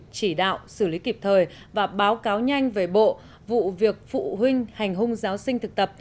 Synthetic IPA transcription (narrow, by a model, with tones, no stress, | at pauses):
t͡ɕi˧˩ɗa̰ː˧˨wsɨ˧˩li˨˦ki˨˩p̚t̪ʰəː˨˩j | vaː˨˩ɓaː˨˦wkaː˨˦wɲa˧jŋ̟ve˨˦ɓo̰˧˨ | vṵ˧˨vi˨˩ək̚fṵ˧˨ɦï˧ŋ̟ha˨˩jŋ̟ɦʊ˧ŋ͡mzaː˨˦wsï˧ŋ̟t̪ʰɨ˨˩k̚t̪ə˨˩p̚